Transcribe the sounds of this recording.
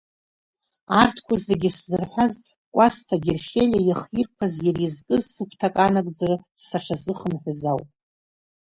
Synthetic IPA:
artʰkʷʰazeɡʲɪszɨrħʷaz | kʷʼastʰaɡʲerχʲelʲajaχjirkʷʰazjarizkʼɨzsɨkʷʰtʰakʼanakʼd͡zarɨsaʈ͡ʂʰazɨχənħʷazawpʼ

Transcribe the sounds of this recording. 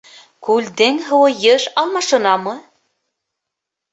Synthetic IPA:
kʉld̪ɘŋɦɤ̆wɤ̆jɤʃɑlˠmɑʃɤ̆nɑmɤ

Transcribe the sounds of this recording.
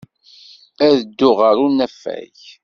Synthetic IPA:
æðəd̪ːʊʁəɾunæfːæ̰j

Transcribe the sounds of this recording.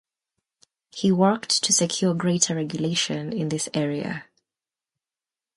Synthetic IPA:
hiwɜ˞ktʰɨsɨkʰj̥ɔɹɡɹeɪtəɹɛɡjəleɪʃɨ̃nɪ̃nðɪsɛɹiə̰

